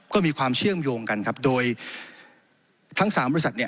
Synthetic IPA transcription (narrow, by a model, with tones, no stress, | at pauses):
kɔː˥˩miː˧kʰwaː˧mt͡ɕʰɯ˥˩əmjoː˧ŋka˧nkʰa˦˥p̚doː˧j | t̪ʰa˦˥ŋsaː˩˦mbɔ˧˥sa˨˩t̪̚ni˥˩